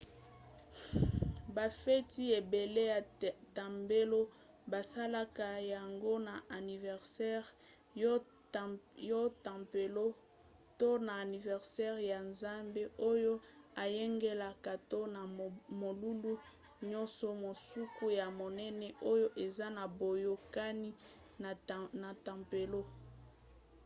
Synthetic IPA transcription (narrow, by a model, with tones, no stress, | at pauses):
ba˨fɛ˦ti˦e˨be˨le˦ja˨ta˨mbe˦lo˦ | ba˨sa˦la˦ka˨ja˨ŋɡo˦na˨ʔa˨ni˨vɛ˨ʁsɛ˦ʁ | jo˦ta˨mpe˨lo˦ | to˦naː˨ni˨vɛ˨ʁsɛ˦ʁja˨nza˦mbe˦ʔo˦jo˦a˨je˦ŋɡe˦la˨ka˨to˦na˨mo˨lu˦lu˦ | ɲɔ̃˦nsɔ˨mo˨su˦ku˦ja˨mo˨nɛ˦nɛ˦ʔo˦jo˦ʔe˨za˦na˨bo˨jo˨ka˦ni˦˨ | na˨ta˨mpe˨lo˦